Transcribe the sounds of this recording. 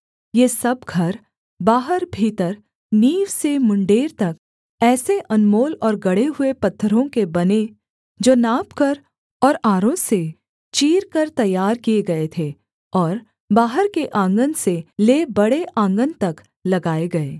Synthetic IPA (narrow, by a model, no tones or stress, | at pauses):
jeːsɐbɡʱɐɾ | baːɦəɾbʱiːt̪əɾ | niːʋsemʊ̃ɳɖeːɾt̪ɐk | ɛːseʔɐnmoːlɔːɾɡɐɽeɦʊepɐt̪ʰːəɾõkebɐne | d͡ʒoːnaːpkɐɾ | ɔːɾaːɾõse | t͡ʃiːɾkɐɾt̪ɐjaːɾkieɡɐet̪ʰeː | ɔːɾ | baːɦəɾkeʔãːŋɡənseleːbɐɽeʔãːŋɡənt̪ɐk | lɐɡaːeɡɐeː